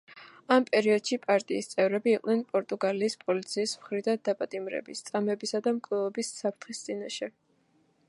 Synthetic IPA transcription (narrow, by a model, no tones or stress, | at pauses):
ampʼɛɾiɔd̪̥ʃipʼaɾt̪ʼiːst̪sʼɛvɾɛbiːqʼnɛnpʼɔɾt̪ʼuɡaliːspʼɔlit̪sʰiːsmχɾid̪and̪apʼat̪ʼimɾɛ̰bist̪sʼamɛbisad̪amkʼlɛɔbisːapʰɾt̪ʰχist̪sʼinaʃɛ